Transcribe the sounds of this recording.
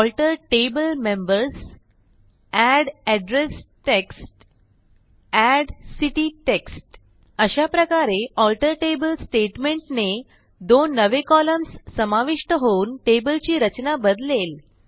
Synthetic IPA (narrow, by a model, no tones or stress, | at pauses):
ɔlʈəɾʈebəlmembəɾs | æɽɛɖɾesʈeksʈ | æɽsiʈiʈeksʈ | əɕapɾəkaɾeɔlʈəɾʈebəlsʈeʈmeɳʈne | d̪onːəʋekɔləmsːəmaʋiʂʈəɦounʈebəlt͡ɕiːɾət͡ɕnabəd̪lel